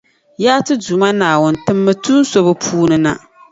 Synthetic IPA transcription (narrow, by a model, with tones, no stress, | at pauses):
jaː˦tɨ˦du˨ma˦naː˨wʊ˦n˨tɨ˦mːɨ˦tu˦n˦so˦βɨ˦pʰuː˦nɨ˦na̰˨